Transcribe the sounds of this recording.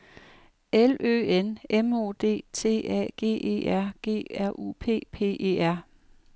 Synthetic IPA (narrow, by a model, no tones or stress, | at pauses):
elø̰ːenemo̝̰ːd̥e̝̰ːt͡sʰe̝̰ːɛ̰ɡ̥e̝̰ːe̝̰ːʔæɐ̰ɡ̥e̝̰ːæɐ̰ʔṵːpʰe̝̰ːpʰe̝̰ːʔe̝̰ːæɐ̰